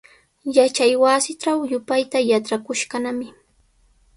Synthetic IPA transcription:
jat͡ʃajwasɪʈ͡ʂawjʊpajt̪ajaʈ͡ʂakʊʃkanamɪ

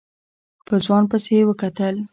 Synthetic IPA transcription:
pəzwɑnp̬əsewəkat̪əl

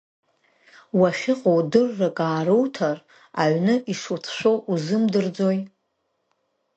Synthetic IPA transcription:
waʃʲɪqʼowdɨrːakʼaːɾowtʰar | a̰ʕnɨʔiʂut͡sʰʃʷowuzɨmdɨrd͡zoj

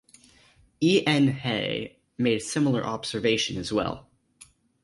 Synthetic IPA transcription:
iɛ̃neɪ | meɪd̥sɪ̃ml̩ˠə˞ʔɑb̥z̥ə˞veɪʃɨ̃nɨzwɛ̰lˠ

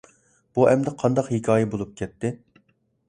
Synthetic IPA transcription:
b̥uʔɛmd̪ɛqʰɑnd̪ɑqhekʰʲɑːjɛbolˠup̚kʲʰɛt̪ːɪ

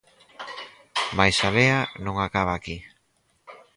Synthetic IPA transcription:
majsaleanõŋakaβ̞aːki

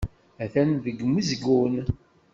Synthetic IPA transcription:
æθænðəɡːmizɡun

